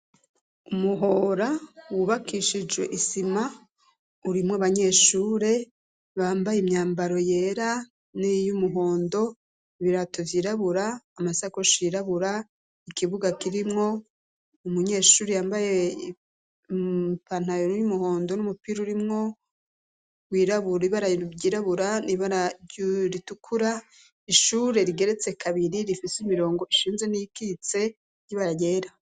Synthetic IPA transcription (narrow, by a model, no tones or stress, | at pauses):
umuɦo̞ːɾawuβakʰiʃid͡ʒwe̞̰ʔisima | uɾimŋoβaɲe̞ːʃuːɾe̞ | βaːmbajemɲaːmbaɾo̞je̞ːɾa | nijumuɦo̞ːndo̞ | βiɾatovjiːɾaβuɾaːmasakoʃiːɾaβuɾa | ikʰiβuɡakiɾimŋo̞ | umuɲe̞ːʃuːɾijaːmbaje̞ | pan̥ajojumuho̞ːndo̞numupiɾuɾimŋo̞ | wiːɾaβuɾiβaɾaɟiːɾaβuɾaniβaɾaɾitukʰuɾa | iʃuːɾe̞ɾiɡe̞ɾe̞t͡se̞kʰaβiɾiɾifisimiɾo̞ːŋɡo̞iʃiːnze̞nikit͡se̞ | jiβaɾaje̞ːɾa